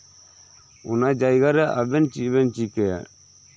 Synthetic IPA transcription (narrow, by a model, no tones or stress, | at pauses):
ṵnad͡ʒajɡaɾɛʔabɛnt͡ʃibɛnt͡ʃikɛ̰